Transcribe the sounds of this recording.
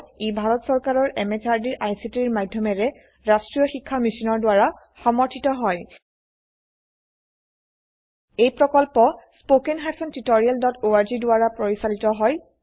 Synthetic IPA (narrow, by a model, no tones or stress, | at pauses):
ebʱaɹɔtsɔɹkaɹɔɹʔɛmɛt͡ʃaɹdiɹʔajsitiɹmadʱjɔmɛɹɛ | ɹastɹijɔxikʰːamisinɔɹdwaɹa | xɔmɔɹtʰitɔɦɔj | ejpɹɔkɔlpɔspokenɦasɔntitoɹialdɔtoaɹzidʊaɹapɹoɹisalitɔɦɔj